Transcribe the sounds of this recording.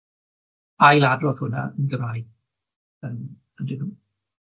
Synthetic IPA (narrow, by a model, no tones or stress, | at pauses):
ajlˠadroːð̥hʊna̰ənɡəmrajd̚ | əm | əndinu